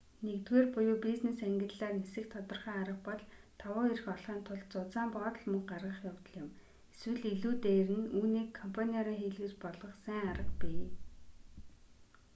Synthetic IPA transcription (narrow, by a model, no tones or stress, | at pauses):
nekt̪weːrpʊjʊːpiznesæŋɡʲɪ̆ɮɮaːrnesɘ̆kt̪ʰɔt̪ɞ̆rχaːaɾə̆χpɔɮt̪ʰɔwʊːiɾɘ̆xɔɮχaːnt̪ʰʊɮt͡sʊt͡saːmpɔːt̪̆ɮmɵŋɢarʁə̆χjawt̪ɞ̆ɮjʊ̆m | eswɘ̆ɮiɮuːt̪eːɾɘ̆nuːniːkʰːɔmpʰanʲiɔɾiːŋxiːɮɣuːt͡ɕpɔɮʁɞ̆χsæŋaɾə̆qpiː